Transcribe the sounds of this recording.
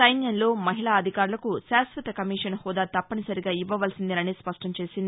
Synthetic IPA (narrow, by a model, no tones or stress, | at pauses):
sɐjnjɐnlo̞ːmɐɦiɭaːɐd̪ʱikaːɾulɐkusaːsʋɐt̪ɐkɐmiːʂɐnhɔːd̪aːt̪ɐpːɐnisɐɾiɡaːiʋːɐʋɐlsind̪inɐniːspɐʂʈɐmt͡ʃe̞ːsind̪i